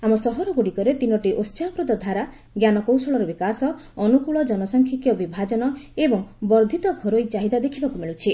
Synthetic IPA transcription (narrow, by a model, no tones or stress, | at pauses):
amɔsɔɦɔɾɔɡoɽikɔɾet̪inɔʈiʔost͡ʃaakɾud̪ɔd̪ʱaɾa | ɡjanɔkowsɔɭɔɾɔbikasɔː | nukuɭɔd͡ʒɔnɔsɔŋkʰjikjɔbibʱad͡ʒɔnɔebɔŋbɔɾd̪ʱit̪ɔɡʱɔɾojt͡ʃaɦid̪ad̪ekʰibakumiɭut͡ʃʰi